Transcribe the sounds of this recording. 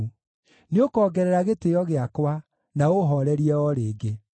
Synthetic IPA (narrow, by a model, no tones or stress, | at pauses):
neokɔɡɛɾɛɾaɣetejɔɣeakwa | naoɦɔɾɛɾiɛɔɾeːɡe